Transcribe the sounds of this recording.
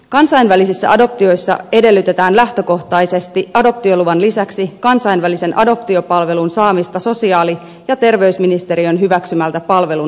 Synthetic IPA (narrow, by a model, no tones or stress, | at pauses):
kɑnsɑjnʋælisisːæ̰ʔɑdo̞p̚t̪io̞jsːɑ̰e̞de̞lːyt̪e̞t̪æːnlæht̪ø̞ko̞ht̪ɑjse̞st̪iɑdo̞p̚t̪io̞luʋɑnlisæksikɑnsɑjnʋælise̞nʔɑ̰do̞p̚t̪io̞pɑlʋe̞lunsɑːmist̪ɑso̞siɑːli | jɑt̪e̞rʋe̞ysminist̪e̞ɾio̞nɦyʋæksymælt̪æpɑlʋe̞lu